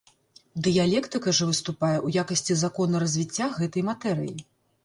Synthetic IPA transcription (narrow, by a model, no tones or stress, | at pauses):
d̪ɨjalʲɛkt̪ɨkɐʐɛvɨst̪upajɛʔujakɐsʲt͡sʲizakɔnɐɾɐzʲvʲit͡sʲːaɣɛt̪ɐjmat̪ɛɾɨjḭ